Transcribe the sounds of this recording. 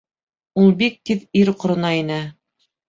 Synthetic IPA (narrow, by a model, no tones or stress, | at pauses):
ulˠbik̚t̪iðiɾqŏɾɤ̆nɑinɘ